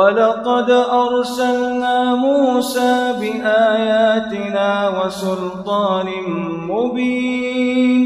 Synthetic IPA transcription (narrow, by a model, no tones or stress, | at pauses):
walɑqɑd̪ʔɑɾˤsalnaːmuːsaːbɪʔaːjaːt̪ɪnaːwasʊlt̪ˤɑːnɪm | mʊbiːnn